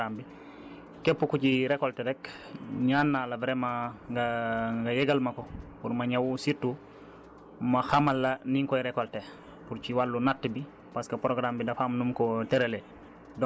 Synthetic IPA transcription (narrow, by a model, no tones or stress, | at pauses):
ambi | kɛpːukuciɾɛkɔltɛɾɛk | ɲanːalɐvɾɛmaɡaŋɡajɛɡalmɐkɔpuɾmɐɲawsitːu | maxamalːɐniŋkɔjɾɛkɔlte | puɾt͡ʃiwalːunatːibi | paskɐpɾoɡɾambidafamnumkɔtɛɾele | d